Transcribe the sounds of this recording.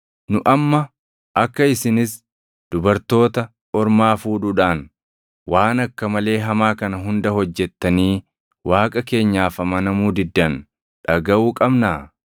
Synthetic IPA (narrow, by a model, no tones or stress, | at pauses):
nʊʔɐmːɐ | ʔɐkːɐɪsɪnɪs | d̪̥ʊbɐɾt̪o̞ːt̪ɐ | ɔɾmaːfuːᶑuᶑaːn | waːnɐkːɐmɐle̞ːɦɐmaːkɐnɐɦʊnd̪ɐhɔd͡ʒːɛt̪ːɐniː | waːkʼɐke̞ːɲːaːfɐmɐnɐmuːd̪ɪd̪ːɐn | ᶑɐɡɐʔuːkʼɐbnaː